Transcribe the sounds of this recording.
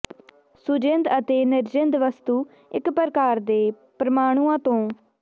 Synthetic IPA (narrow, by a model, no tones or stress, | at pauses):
sʊd͡ʒɪnd̪ət̪eːnɪɾd͡ʒɪnd̪ʋəst̪uː | ɪkpəɾkaːɾd̪eː | pɾəmaːɽ̃uːãːt̪õː